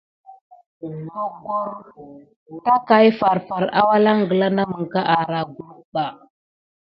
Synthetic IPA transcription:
ko˨ko˦ɾ | ta˦ka˨jfa˨ɾfa˨ɾa̰˦wa˦la˦ŋ˨ɡə˨la˦na˦mə˨ŋ˨ka˦ʔa˨ɾa˨ɡu˨lu˦ɓa˨

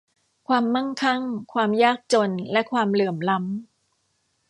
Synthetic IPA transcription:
kʰwaː˧mːa˥˩ŋkʰa˥˩ŋkʰwaː˧mjaː˥˩k̚t͡ɕo˧nlɛ˦˥kʰwaː˧mlɯː˨˩əmla˦˥m

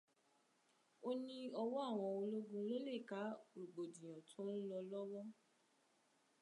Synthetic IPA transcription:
o˦nĩ˧ɔ˧wɔ˦a˦˨w̃ɔ̃˧o˧lo˦ɡũ˦lo˦le˦˨ka˨˦ɾu˨ɡ͡bo˨dĩ˨j̃ã˨tʰõ˨˦n̩˦lɔ˧lɔ˦wɔ˦

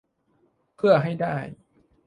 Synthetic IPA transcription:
pʰɯ˥˩ɐəɦa˥˩jdaː˥˩j

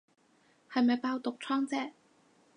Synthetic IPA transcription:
hɐ˨jmɐ˨˩jpaː˧wt̪ʊ˨k̚t͡sʰɔː˥ŋt͡sɛː˥

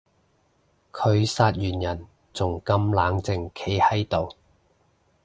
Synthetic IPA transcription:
kʰɵ˨˧ɥsaː˧t̚jyː˨˩njɐ˨˩n | t͡sʊ˨˩ŋkɐ˧mlaː˨˧ŋt͡sɪ˨ŋkʰe˨˥jhɐ˨˥jt̪o˨w

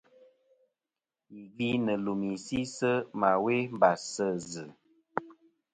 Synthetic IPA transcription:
i˨ɡi˦nə˨lu˨mi˨si˦sə˦ma˨we˦m˦ba˨sə˦˨zɨ˨

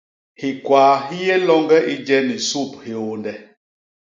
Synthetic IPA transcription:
hi˨kwaː˨ɦi˦jɛ˦lɔ˦ŋɡɛ˦ʔi˦d͡ʒɛ˦ni˨su˦˨p̚he˨o˨ndɛ˨

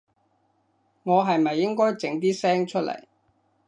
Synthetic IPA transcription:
ŋɔː˨˧ɦɐ˨jmɐ˨jːɪ˥ŋkɔː˥jt͡sɪ˨˥ŋt̪̬iː˥sɛː˥ŋt͡ʃʰɵ˥t̚lɐ̰˨˩j

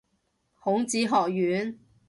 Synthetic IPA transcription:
hʊ˨˥ŋt͡siː˨˥ɦɔː˨k̚jyː˨˥n

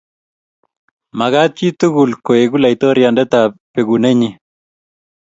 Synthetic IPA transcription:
ma˨ɣa˦t̪̚t͡ʃi˦t̪u˦ɡu˨lko˨e˨ɡu˦la˨i˨t̪ɔ˦ɾja˨ndɛ˦t̪a˨pe˨ɡu˨ne˦ɲi˦

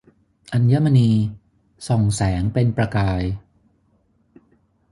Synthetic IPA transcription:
ʔa˧nja˦˥ma˧niː˧ | sɔ˨˩ŋsɛː˩˦ŋpe˧npɾa˧kaː˧j

